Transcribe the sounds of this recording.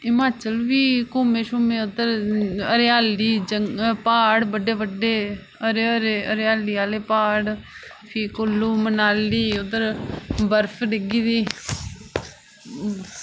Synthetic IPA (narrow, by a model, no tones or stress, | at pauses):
ɪmaːt͡ʃəlʋiːkoːmeːʃʊmẽːʊd̪əɾəɾjaːliːd͡ʒəŋpaːɽbəɖeːʋəɖːeː | əɾeɾeəɾjaːliːaːleːpaːɽ | pʰiːkolːuːmənaːlːiːʊd̪əɾbəɾpʰɖɪɡiːd̪iː